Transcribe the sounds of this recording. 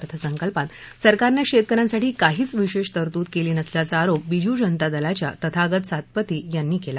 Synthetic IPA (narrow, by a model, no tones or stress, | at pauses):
t̪ʰəsəŋkəlpat̪ | səɾkaɾnjaɕet̪̚kəɾãnsaʈʰiːkaɦiːt͡sʋiɕeʂt̪əɾt̪uːt̪keliːnəsljat͡saːɾop̚bid͡ʑuːd͡ʑənt̪ad̪əlat͡ɕja̰t̪ət̪ʰaːɡət̪sat̪̚pət̪iːjanːiːkela